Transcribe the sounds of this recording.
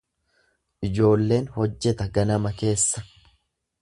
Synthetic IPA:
ʔɪd͡ʒo̞ːlːe̞ːnhɔd͡ʒːɛt̪ɐɡɐnɐmɐke̞ːsːɐ̥

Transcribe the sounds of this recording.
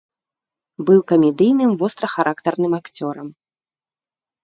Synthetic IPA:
bɨwkɐmʲɛd̪ɨjnɨmvɔst̪ɾɐxɐɾʔakt̪ɐrnɨmakt͡sʲɔɾɐm

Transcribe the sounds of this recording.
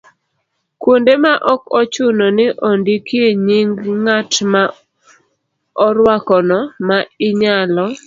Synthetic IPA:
kwondemaʔɔkɔt͡ʃʊnɔnɪʔɔndikjeɲiŋɡŋatma | ɔɾwakɔnɔmaɪɲalɔ

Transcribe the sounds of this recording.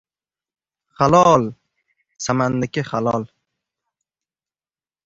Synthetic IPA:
χalɒl | samanːɪkʲɪχalɒl

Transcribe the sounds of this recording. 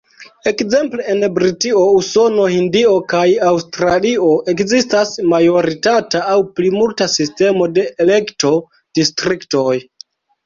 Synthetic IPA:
e̞kze̞mpleenbɾitiouso̞no̞hindio̞kajawstɾalio̞ʔe̞kzistasmajo̞ɾitataːwplimultasiste̞mo̞de̞ʔele̞kto̞ | d̥istɾikto̞j

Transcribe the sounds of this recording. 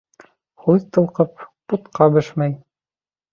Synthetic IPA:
χuðt̪ɤ̆lˠqɤp̚put̪qɑbɘʃmæj

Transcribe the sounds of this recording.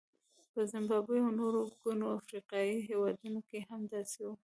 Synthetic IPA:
pəzɪmbɑbəjawnoɾoɡunoafɾiqɑjiɦewɑd̪unokehamd̪ɑsewu

